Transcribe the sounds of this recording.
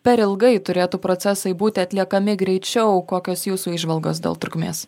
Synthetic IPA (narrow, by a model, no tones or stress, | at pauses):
pʲɛɾɪlˠɡɐɪt̪ʊɾʲeːt̪uːpɾosʲɛsɐɪbuːt̪ʲɪɐt̪ʲlʲiɛkɐmʲɪɡɾʲɛɪt͡ʃʲɛʊkoːkʲoːsjuːsuːiːʒʋɐlˠɡoːsd̪ʲḛːlˠt̪ɾʊkmʲḛːs